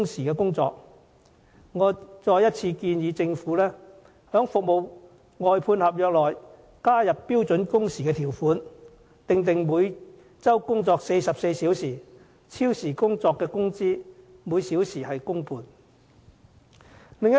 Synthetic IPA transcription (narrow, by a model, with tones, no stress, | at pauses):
ŋsiː˨˩kɛː˧kʊ˥ŋt͡sɔ̰ː˧k̚ | ŋɔː˨˧t͡sɔː˧jɐ˥t̚t͡sʰiː˧kiː˧njiː˨˧t͡sɪ˧ŋfuː˨˥lɛː˥ | hœː˨˥ŋfʊ˨k̚mo˨w | ŋɔː˨jpʰuː˧nhɐ˨p̚jœː˨k̚lɔː˨j | kaː˥jɐ˨pːiː˥wt͡sɵ˨˥nkʊ˥ŋsiː˨kɛː˧t̪ʰiː˨˩wfuː˨˥n | t̪ɪ˨ŋt̪ɪ˨ŋmuː˨˧j | t͡sɐ˥wkʊ˥ŋt͡sɔː˧k̚se˧jsɐ˨p̚se˧jsiː˨˥wsiː˨˩ | t͡sʰiː˥wsiː˨˩kʊ˥ŋt͡sɔː˧kːɛː˧kʊ˥ŋt͡siː˥ | muː˨˧jsi˨˥wsiː˨˩hɐ˨jkʊ˥ŋpʰuː˧n | lɪ˨ŋ˥